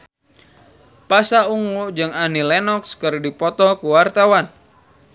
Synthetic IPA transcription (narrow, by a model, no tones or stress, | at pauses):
pasauŋud͡ʒɨŋanilɛnɔkskɨrdipɔt̪ɔkuwart̪awan